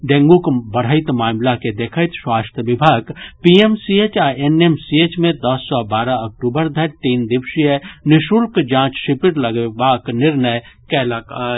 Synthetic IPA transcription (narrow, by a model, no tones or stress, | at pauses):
ɖẽŋɡõkbɐɽ̤əɪt̪maːmlaked̪eːkʰəɪt̪ʃwaːst̪ʰəʋɪbʱaːɡpiemsieːt͡ʃaːenemsieːt͡ʃmẽd̪ɐsːɔbaːɾaɐk̚ʈuːbəɾd̪ʱɐɾʈiːnd̪ɪbʃiənɪʃuːlkd͡ʒãːt͡ʃʃɪpɪɾlɐɡebaːknɪɾnəjkɛːlaka